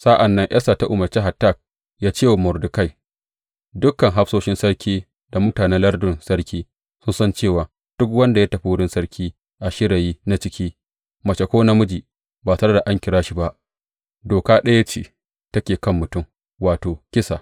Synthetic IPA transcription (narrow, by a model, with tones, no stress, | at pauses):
sa˦ʔa˨nːɐ˦ŋʔɐ˦sa˨ta˦ʔʊ˨mɐ˨rt͡ʃe˦ɦa˨tːa˦˨k̚ | jaː˦t͡ʃeː˦˨wmʊ˨rdʊ˨ka˦˨j | dʊ˦kːɐ˨ŋɦa˦ɸsoː˦ʃɪ˦nsɐ˦ɽkʲiː˦ | da˨mʊ˦taː˨nɛ˦nlɐ˦rdʊ˨nsɐ˦ɽkʲiː˦ | sʊ˦nsɐ˦nt͡ʃeː˦˨waː˨ | d̥ʊ˦kwɐ˦nda˨ja˦tɐ˨ɸi˦wʊ˦ɽɪ˦nsɐ˦ɽkʲʰiː˦ | ʔa˨ʃɪ˦ɽa˨jiː˦na˦t͡ʃɪ˦kʲʰiː˦ | mɐ˨t͡ʃɐ˨kʷoː˦na˦mʊ˦d͡ʒiː˨ | baː˨sɐ˦ɾɐ˦da˨ʔa˦ŋkʲɪ˨ɾaː˦ʃi˨ba˦ʔ | doː˨kaː˦ɗɐ˦ja˦t͡ʃḛː˨ | tɐ˦kʲeː˨kɐ˦˨mːʊ˨tʊ˦˨m | waː˨toː˨kʲɪ˦sa̰˨